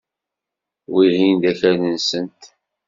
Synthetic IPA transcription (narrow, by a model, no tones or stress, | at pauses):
wiɦind̪æçænənsənt̪